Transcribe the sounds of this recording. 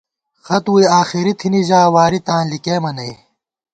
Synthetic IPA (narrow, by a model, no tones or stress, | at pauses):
xɐt̪uiaːxiɾit̪ʰiniʑaːwaːɾit̪ãːnlikeːmɐnɐi